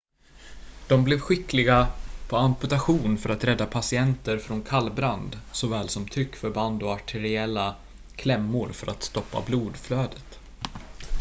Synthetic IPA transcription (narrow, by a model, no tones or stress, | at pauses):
d̪̥ɔmblɛːvɧɪklɪɡapʰɔampɵt̪aɧuːnfœɾat̪ɾɛd̪ːapʰasɪɛnt̪əɾfɾɔnkʰalːbɾand̪sɔvɛːlsɔmt̪ʰɾʏkːfœɾband̪ɔaʈʰɛɾɪɛlːa | kʰlɛmːʊɾfœɾʔat̪st̪ɔpːa̰bluːd̪fløːd̪ət̪